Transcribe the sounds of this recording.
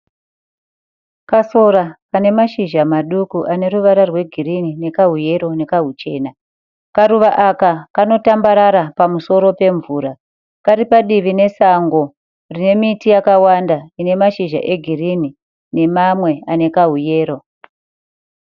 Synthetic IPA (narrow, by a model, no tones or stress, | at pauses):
kaso̞ɾakane̞maʃiʒamaɗukuʔane̞ɾuʋaɾarwe̞ɡʱiɾinine̞kaɦuje̞ɾo̞ne̞kaɦut͡ʃe̞̰ːna | kaɾuʋaʔakakano̞tambaɾaɾapamuso̞ɾo̞pe̞ɱvuːɾa | kaɾipaɗiʋine̞saŋɡo̞ | rine̞mitijakawandaine̞maʃiʒa̰ʔe̞ɡʱirini | ne̞mamwe̞ane̞kaɦuje̞ːɾo̞